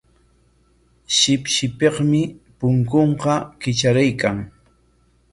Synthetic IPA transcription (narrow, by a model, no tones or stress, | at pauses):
ʃɪpʃɪpeχmɪpʊŋkoɴqɑkɪt͡ʃaɾajkaŋ